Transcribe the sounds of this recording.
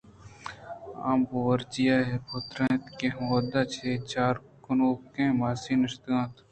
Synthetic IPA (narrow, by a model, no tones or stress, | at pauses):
a̰ːmowɐɾt͡ʃijaːɦɛpot̪ɾẽt̪keɦwɐd̪at͡ʃʰeːt͡ʃaːɾ | kʊnoːkẽːmaːsinɪʃt̪ɡãːt̪